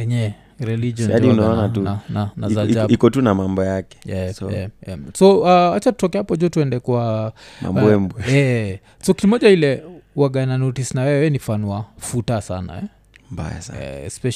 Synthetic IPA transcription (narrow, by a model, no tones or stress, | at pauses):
ɛɲɛ | ɾɛlid͡ʒiɔnaɗiunaɔnatuananazad͡ʒaikɔtunamambɔjakɛ̥ɛɛ̰ɛmsɔaat͡ʃatutɔkɛapɔd͡ʒuɔtuɛndɛkuama̰mɛmbɛɛ | sɔkiimɔʄailɛwaɡananɔtisnawɛwɛwɛɛnifanuafutasana̰ɛ | mba̰ja̰sɛ̰ɛ̰spɛʃ